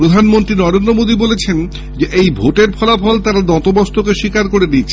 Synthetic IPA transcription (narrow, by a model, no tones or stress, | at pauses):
ɾod̪ʱanmont̪ɾinɔɾend̪ɾomod̪ibolet͡ɕʰen | d͡ʑeʔejbʱoʈeɾpʰɔlapʰɔlt̪aɾad̪ɔt̪obɔst̪ʰokeʃikaɾkoɾenit͡ɕʰe